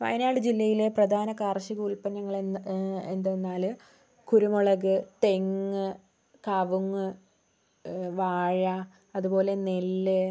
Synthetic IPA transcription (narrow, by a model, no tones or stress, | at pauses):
ʋɐ̰jnaːɽɨd͡ʑilːɐjile̞prɐd̪ʱaːnɐkaːrɕiɡuɭpɐnːɐŋːɐɭ | end̪enːaːl | kuɾumoɭɐɣɨt̪e̞ŋːɨ | kɐʋuŋːɨ | ʋaːɻa | ɐðubo̞ːle̞nelːɨ